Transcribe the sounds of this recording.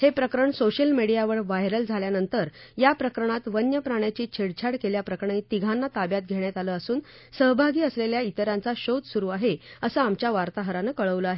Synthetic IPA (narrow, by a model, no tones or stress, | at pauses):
hepɾəkɾəɳsoɕəlmeɽijaʋəɭʋajɾəld͡zʱaljanənt̪əɾjapɾəkəɾəɳ̃at̪ʋənjəpɾaɳ̃jat͡ɕiːt͡ɕʰeɽt͡ɕʰaɽkeljapɾəkɾəɳit̪iɡʱanːat̪abjat̪̚ɡʱeɳ̃jat̪aləːəsuːn | səɦbʱaɡiːəsleljait̪əɾjãnt͡saɕot̪suɾuːaɦeəsəamt͡ɕjaʋaɾt̪aɦəɾanəːkəɭəʋləaɦe